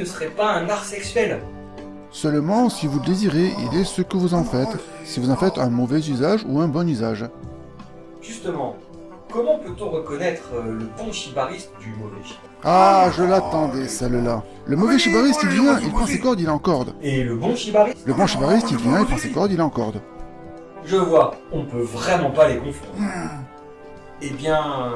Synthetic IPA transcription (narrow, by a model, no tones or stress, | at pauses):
nəsəʁɛpaɛ̃naʁsɛksɥɛl | sœlmɑ̃sivuləd̪eziʁeʔḭlɛsəkəvuzɑ̃fɛt̪ | sivuzɑ̃fɛt̪ɛ̃mɔvɛzyzaʒuɛ̃bɔnyzaʒ | ʒ̥yst̪əmɑ̃ | kɔmɑ̃pøt̪ɔ̃ʁəkɔnɛt̪χləbɔ̃ʃibaʁist̪d̪ymɔvɛ̰ʃi | aʒəlat̪ɑ̃d̪esɛlla | ləmɔvɛʃibaʁist̪ilvjɛ̃ilpχɑ̃sekɔʁd̪ilɑ̃kɔʁd̪eləbɔ̃ʃibaʁiləbɔ̃ʃibaʁist̪ilvjɛ̃ilpʰɑ̃sekɔʁd̪ilɑ̃kɔʁd̪ | ʒəvwaɔ̃pøvʁɛmɑ̃palekɔ̃fɔ̃ | ebjɛ̃